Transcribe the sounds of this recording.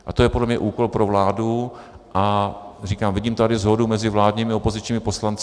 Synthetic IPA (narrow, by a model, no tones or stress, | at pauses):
ʔat̪o̞jɛpodlɛmɲɛʔuːko̞lpɾo̞vlaːdu | ʔariːkaːmvɪɟiːmt̪adɪzɦo̞dumɛzɪvlaːdɲiːmɪo̞po̞zɪt͡ʃɲiːmɪpo̞slant͡s